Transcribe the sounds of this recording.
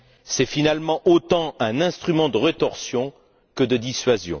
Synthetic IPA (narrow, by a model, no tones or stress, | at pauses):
sɛfinalmɑ̃ʔot̪ɑ̃ɛ̃nɛ̃st̪χymɑ̃d̪əʁət̪ɔʁsjɔ̃ | kəd̪əd̪isɥazjɔ̰̃